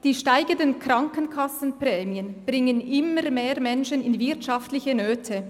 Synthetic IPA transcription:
d̥iːʃtaɪɡəndənkɾɑŋkənkʰɑsən̩pʁɛːmiənb̥ʁɪŋənʔɪmːəʁmeːʁmɛnʃənɪnvɪɐtʃaftlɪçənøːtʰə

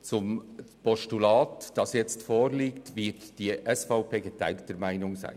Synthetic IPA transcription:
t͡sʊmpʰɔʃtulɑːtd̥ɑsjɛt͡stfoːɾliːktvɪtd̥iːʔɛsfɑʊpʰeːɡətʰæ̰ɪlt̚d̥əmæɪnʊŋzæ̰ɪ

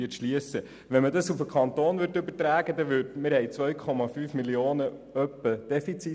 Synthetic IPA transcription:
iətʃliəsə | ʋɛnmədɑsufəkʰχɑnt̪oːnʋʏɾtʏbətɾæːɡ̥əd̥̪ɛʋʏdmɪɾhɛɪt͡sʋœʏkʰɔmɑfyːfmilioːnəœpːəd̥ɛfit͡si

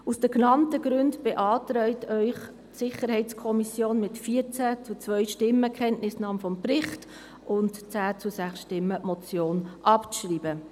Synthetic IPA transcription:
usd̥əknɑntəɡ̥ɾʏndb̥eʔɑːtɾœʏtœʏχ | tsɪχəɾhɛɪt͡skʰɔmisjoːnmɪtfiːəɾt͡sæt͡sut͡sʋœʏʃtɪməkʰɛntnɪsnɑːmfɔmprɪχt | ʊntt͡sæːt͡susæχsʃtɪmːəmɔt͡sjoːnʔɑpt͡sʃriːbə

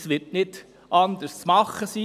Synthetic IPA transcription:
sʋɪɾtnɪd̥ | ʔɑnd̪əst͡smɑχːəsiː

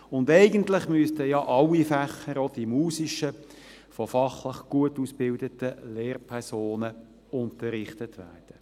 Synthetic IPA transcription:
ʊndɛɪɡəntlɪχmyəst̪əjɑʔɑlːifæχːəɾɔd̥imuːsiʃə | fɔfɑχlɪχɡ̥uətuːsb̥ɪldətəleːrpʰɛɾsoːnə | ʊntəɾɪχtətʋæ̰ːrd̥ə

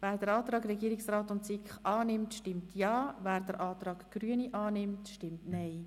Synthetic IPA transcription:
væːɾd̥əɾɑːt̪ɾɑːɡɾɛɡiːɾɪksrɑːtʊntsɪkχɑːnɪmtʃtɪmtʰjɑːvæːɾdəɾʔɑːt̪ɾɑːɡɡ̥ryəniʔɑːnɪmtʃtɪmtnɛɪ

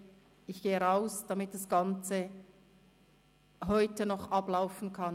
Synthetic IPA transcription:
ɪçɡ̥eːəʁaʊsd̥ɑmɪt̚d̥ɑsɡ̥ɑnt͡sə | ɦɔʏtənɔχʔɑblaʊfn̩kʰɑn

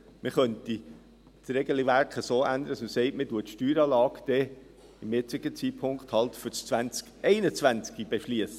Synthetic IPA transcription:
mɪχœnti | tɾɛɡəlivæɾkχəsoːʔænd̪əɾəsʊsɛɪtmɪtuətʃtyːɾɑːlɑːɡd̥ɛ | ɪmɪt͡sɪɡ̥ət͡siːpʰʊŋkχthɑlt̪fyst͡svænt͡skɛɪnət͡svænt͡skib̥eʃliəsə

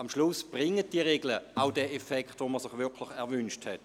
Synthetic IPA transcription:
amʃlʊsb̥ʁɪŋət̚d̥iəʁeːɡləaʊdɛefɛkχtvoməsɪχʋɪkʰlɪχɛɐʋʏnʃthɛt

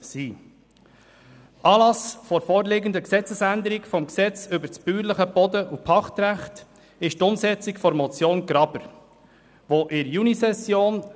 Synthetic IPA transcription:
siː | ʔɑːlɑsfɔɾfɔːɾleɡənd̪əksɛt͡səsænd̪əɾikfɔmksɛt͡sʏbəɾspyːɾləχəb̥ɔd̪əʔupʰɑχt̪ɾæχt | ɪʃtʊmsɛt͡sikfɔɾmɔt͡sjoːnɡɾɑbəɾ | ʋoʔɪɾjunisɛsjoːn

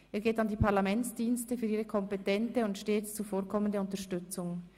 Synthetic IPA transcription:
ʔʔeːɐɡeːtandiːpʰaʁlamɛnt͡sd̥iːnstəfyːɐiːʁəkʰɔmpɛtɛntəʊntʃteːt͡st͡sufoːɐkʰɔməndəʊntəɐʃtʏt͡sʊŋ

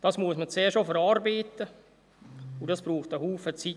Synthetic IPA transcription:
d̥ɑsmuəsmət͡seːʃofəɾɑːɾbiːtə | udɑsb̥ruːχtəhuːfət͡si

